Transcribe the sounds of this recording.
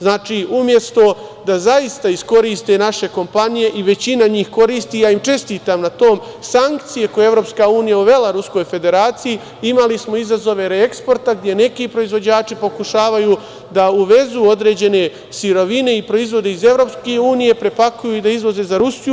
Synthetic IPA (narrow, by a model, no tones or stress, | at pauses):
znaːt͡ʃiːʔumje̞st̪o̞ | d̪azaist̪aisko̞ɾiːst̪enaʃe̞ko̞mpanije̞ʔiʋe̞t͡ɕinaɲiːxko̞ɾiːst̪iːjaːimt͡ʃe̞st̪iːt̪amnat̪o̞ːm | saŋkt̪sijekojeevɾo̞ːpskauːnijauʋe̞laɾusko̞jfe̞d̪e̞ɾaːt̪siji | imalismo̞izazo̞ʋe̞ɾeekspo̞ɾt̪aɡ̚d̪je̞ne̞kipɾo̞izʋo̞d͡ʑaːt͡ʃipo̞kuʃaːʋajuː | d̪auʋe̞zuːo̞d̪ɾe̞ːd͡ʑe̞ne̞ | siɾo̞ʋine̞ipɾo̞izʋo̞d̪e̞ize̞vɾo̞pske̞uːnije̞pɾe̞pakujuid̪aizʋo̞ze̞zaɾusju